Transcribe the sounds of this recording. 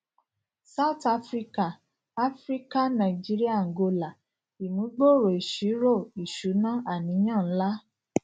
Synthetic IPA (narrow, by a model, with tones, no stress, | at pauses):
sa˦u˨ta˧˦fɾi˦ka˦˨ | a˦fɾi˦ka˦nã˨i˨d͡ʒi˦ɾi˦a˦˨ŋ̩˨ɡo˧la˨ | i˨mũ˨˦ɡ͡bo˦˨ɾo˨i˨ʃi˨˦ɾo˦˨i˨ʃu˨˦nã˦a˦˨nĩ˨˦j̃ã˦˨n̩˦la˦